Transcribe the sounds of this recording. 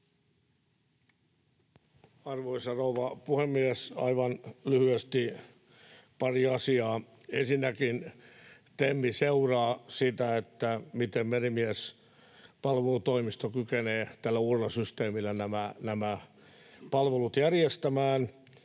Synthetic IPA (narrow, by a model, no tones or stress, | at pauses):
ɑrʋoisɑrouʋɑpuhemːiæsɑ̰iʋɑnlyhyest̪i | pɑriɑsiɑː | ensinːækint̪emːiseurɑːsit̪æet̪ːæmit̪emmerimiæs | pɑlʋelut̪oimist̪okykeneːt̪ælːæurːɑsyst̪eːmilːænæmænæmæ | pɑlʋelut̪jærjest̪æmæːn